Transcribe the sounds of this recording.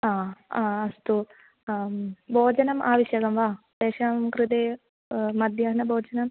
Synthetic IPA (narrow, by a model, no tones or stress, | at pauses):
aːaːɐst̪u | bʱoːd͡ʑɐnɐmʔa̰ːʋiɕjɐɡɐmʋaː | d̪eːʂɐmkɾɨd̪eː | mɐd̪ʱjaːɦɐnɐboːd͡ʑɐnɐm